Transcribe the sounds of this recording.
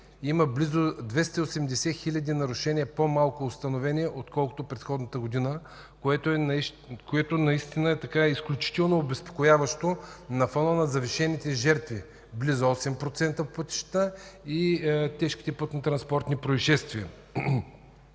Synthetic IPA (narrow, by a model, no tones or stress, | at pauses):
iməblizod̪vɛst̪əiosɛmd̪ɛsɛxilʲɐd̪inɐɾʊʃɛniəpomalˠkoːst̪ɐnovɛnʲiɛʔot̪kɔlˠkʊ̥t̪opɾɛt̪xɔd̪nət̪əɡod̪inə | koɛt̪oɛ | koɛt̪onɐist̪inəɛt̪ɐkaisklʲut͡ʃi̥t̪ɛlˠnoːbɛspo̥kojavɐʃt̪onɐfɔnənɐzɐviʃɛnit̪ɛʒɛɾt̪vi | blizoɔsɛmpɾot̪sɛnt̪əfpət̪i̥ʃt̪t̪əit̪ɛʃki̥t̪ɛpɤt̪nɐt̪ɾɐnspɔɾt̪nipɾoiʃɛst̪viə